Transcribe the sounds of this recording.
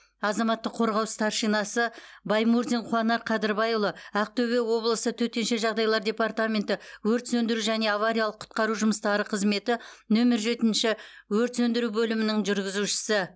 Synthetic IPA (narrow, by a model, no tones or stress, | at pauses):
ɑzɑmɑt̪ːəqʰo̞ɾʁɑwst̪ʰɑɾʃijnɑsəbɑjmuɾd̪inqʰuɑnɑɾqʰɑd̪ɪɾbɑjlˠəæq̚t̪ʰɵβe̞wo̞blˠəsət̪ʰɵt̪e̞nʃe̞ʒɑʁd̪ɑjlˠɑɾd̪ʲe̞part̪amʲe̞nt̪ɪwɵɾt̪sɵnd̪ɪɾuʒæne̞avaɾʲijɑlˠəqʰːʊ̥t̪̚qɑɾuʒʊməst̪ɑɾəqʰəzme̞t̪ɪnɵmɪɾʒe̞t̪ɪnʃɪwɵɾt̪sɵnd̪ɪɾubɵlɪmɪnɪŋʒʏɾɡʲɪzuʃɪ̥sɪ